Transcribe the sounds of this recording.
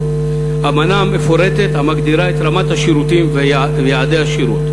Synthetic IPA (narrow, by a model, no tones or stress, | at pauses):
amanaamefoɾet̪et̪hamaɡd̪iɾaet̪ɾamat̪haʃiɾut̪im | vejaʕad̪eaʃiɾut̪